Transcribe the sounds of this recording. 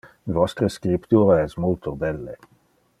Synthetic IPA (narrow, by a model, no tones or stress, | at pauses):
vɔst̪ʁəskipt̪uːʁəɛsmult̪ʰod̪ɛlːḛ